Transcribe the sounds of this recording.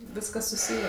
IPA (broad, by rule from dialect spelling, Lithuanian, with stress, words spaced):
ˈʋʲɪskɐs sʊˈsʲiːjeː